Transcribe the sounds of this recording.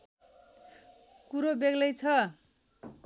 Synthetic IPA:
kuɾobeɡlʌjt͡sʰʌ

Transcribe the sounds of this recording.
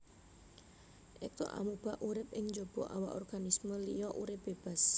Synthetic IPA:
ʔɪk̚t̪ɔ̰ʔa̰mub̥aʔuɾɪp̚ɪŋd͡ʒob̥ɔ̰ʔa̰waʔɔrɡ̥anisməlijɔʔuɾɪp̚b̥eb̥as

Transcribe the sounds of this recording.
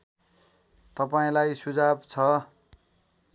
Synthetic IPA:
t̪ʌpaĩlajsud͡zabt͡sʰʌ

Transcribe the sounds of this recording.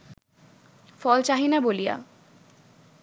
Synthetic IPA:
fɔlt͡ɕaɦinabolija̰

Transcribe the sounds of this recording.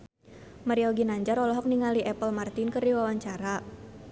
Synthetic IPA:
maɾiɔɡinaɲd͡ʒaɾɔlɔɦɔk̚niŋaliʔɛpəlmart̪inkərdiwawaɲt͡ʃaɾa

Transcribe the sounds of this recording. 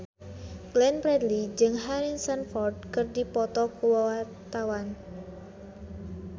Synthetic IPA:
klɛnpɾɛdlid͡ʒɨŋɦaɾinsanfɔrd̚kɨrdipɔt̪ɔkuwawa | t̪awan

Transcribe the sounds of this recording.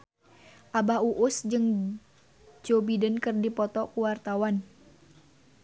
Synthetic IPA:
ʔabauʔʊsd͡ʒɨŋ | d͡ʒobidənkɨrdipɔt̪ɔkuwart̪awan

